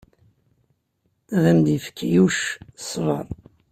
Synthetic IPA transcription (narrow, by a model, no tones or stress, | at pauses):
ʁæmd̪jəfkʰːijuʃsˤvɑ̰n